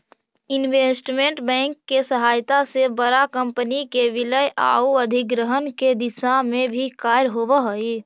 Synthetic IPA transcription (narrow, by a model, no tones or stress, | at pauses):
ɪnʋeːsʈmẽɳʈbɛ̃ːŋkːesəɦaːjt̪asebəɾakə̃mpənikeʋɪləjʔa̰ːuəd̪ʱɪk̚ɡɾəɦənked̪ɪsamẽbʱikaːjɾɦoːʋəɦoe